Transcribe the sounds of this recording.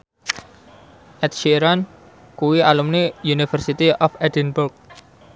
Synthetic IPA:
ʔɛt̪̚ʃiɾan | kuwialumnijunifərsit̪iɔfɛdinbʊrk̚

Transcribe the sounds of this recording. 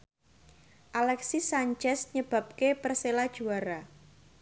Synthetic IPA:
ʔalɛksisaɲt͡ʃɛsɲəb̥a̤p̚kepərselad̥ʒ̥uaɾa

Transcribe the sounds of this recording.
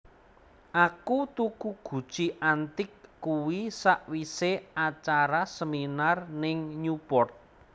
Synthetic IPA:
ʔakut̪ukuɡ̥ṳd̥ʒ̥iʔant̪ɪkːuwisaʔwiseat͡ʃaɾasəminarnɪŋɲupɔrt̪̚

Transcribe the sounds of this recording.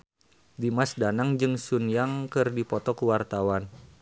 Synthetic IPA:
dimasdanaŋd͡ʒɨŋsunjaŋkɨrdipɔt̪ɔkuwart̪awan

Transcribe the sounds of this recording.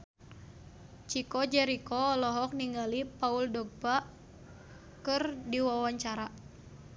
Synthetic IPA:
t͡ʃikɔd͡ʒɛɾikɔːlɔɦɔk̚niŋɡalipauldɔɡ̚ba | kɨrdiwawaɲt͡ʃaɾa

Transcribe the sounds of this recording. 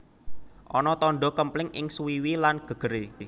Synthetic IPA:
ʔɔnɔt̪ɔnɖɔkəmplɪŋʔɪ̰ŋsuwiwilanɡ̥ə̤ɡ̥ə̤ɾe

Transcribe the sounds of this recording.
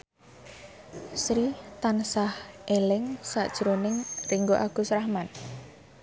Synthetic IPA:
sɾit̪ansahʔelɪŋsa̰ʔd̥ʒ̥əɾonɪŋriŋɡoʔaɡ̥ṳsɾahman

